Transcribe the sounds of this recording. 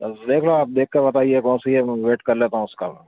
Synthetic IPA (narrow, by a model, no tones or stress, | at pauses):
d̪eːkʰɾaoaːp̚d̪eːkʰːeɾbɐt̪aːiekɔ̃ːnsiemʋeːʈkɐɾleːt̪aːɦũʊska̰mɛ̰